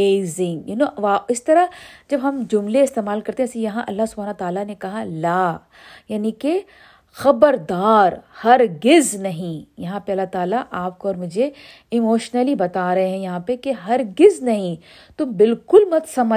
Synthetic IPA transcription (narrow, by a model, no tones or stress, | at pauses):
eːzɪ̃ŋɡjɪnõʋaɪst̪ɐɾad͡ʒɐbɦɐmd͡ʒʊmleɪst̪eːmaːlkɐɾt̪eɦɛ̃sijɐɦãʔɐlːaɦsʊbʱaːnot̪aːlanekɐɦalaː | jaːnĩke | xɐbəɾd̪aːɾhɐɾɡɪznɐɦĩjɐɦãpeɐlːat̪aːlaʔaːp̚koːɾmʊd͡ʒʱe | ɪmoːʃnəlibɐt̪aɾɐɦeɦɛ̃jɐɦãpekeɦɐɾɡɪznɐɦĩ | t̪ʊbɪlkʊlmɐt̪sɐmə